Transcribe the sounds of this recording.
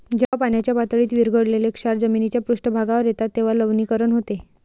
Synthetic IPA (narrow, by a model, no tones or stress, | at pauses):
d͡ʑapanjat͡ɕjapat̪əɭiːt̪ʋiɾɡʱəɽlelekʂaɾd͡zəminit͡ɕjapɾuʂʈəbʱaɡaʋəɾjet̪at̪ːeʋ̤aləʋniːkəɾəɳɦot̪e